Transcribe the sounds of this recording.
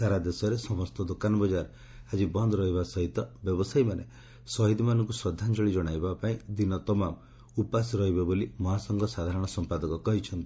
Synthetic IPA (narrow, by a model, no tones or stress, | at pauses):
saɾad̪esɔɾesɔmɔst̪ɔd̪okanɔbɔd͡ʒaɾ | ad͡ʒibɔnd̪ɔɾɔɦibasɔɦit̪ɔbjɔbɔsajmane | sɔɦid̪imanɔŋkusɾɔd̪ʱːand͡ʒɔɭid͡ʒɔɽ̃ajbapaĩd̪inɔt̪ɔmam | upasɔɾɔɦibɔbolimɔɦasɔŋɡɔsad̪ʱaɾɔɽ̃ɔsɔmpad̪ɔkɔkɔɦit͡ʃʰɔnt̪i